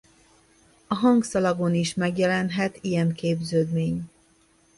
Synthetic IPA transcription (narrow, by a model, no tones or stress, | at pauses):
ɒɦɒŋɡsɒlɒɡoniʃmɛɡjɛlɛnɦɛt̪ijɛŋkeːbzøːd̪meːɲ